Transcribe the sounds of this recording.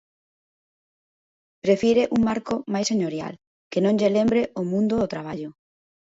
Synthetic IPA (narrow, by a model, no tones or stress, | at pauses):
pɾefjiɾeʔuŋmaɾkomajseɲoɾja̰l | kenõŋʎelembɾeomũnd̪ʊːt̪ɾaβ̞aʎʊ